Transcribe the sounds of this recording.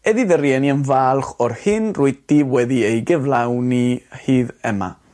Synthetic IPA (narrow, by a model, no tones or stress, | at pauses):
ɛðiðəɾjɛniənvaːlˠχɔrhɨnrʊɨdiwɛðiejɡɛvlawnihiːðɛma̰